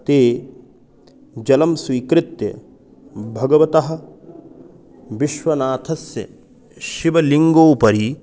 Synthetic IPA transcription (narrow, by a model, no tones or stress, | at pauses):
t̪eː | d͡ʒɐlɐmsʋiːkɾɪt̪jɐ̰ | bʱɐɡɐʋɐt̪ɐɦɐ̆ | ʋiʃʋɐnaːt̪ʰɐsjɐ̰ | ʃiʋɐliŋɡoːpɐɾi